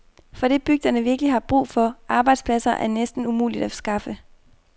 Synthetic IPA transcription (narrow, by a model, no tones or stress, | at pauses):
fɒ̽ɾ̥e̝b̥yɡ̥̚d̥ɐnəʋiɐɡ̥əliɦɑ̈b̥ʁṵːfɒ̽ʔɑ̈ːb̥ɑ̈ɪd̥spʰlæsɐʔæɐnesd̥n̩umṵːlid̥æsɡ̥ɑ̈fə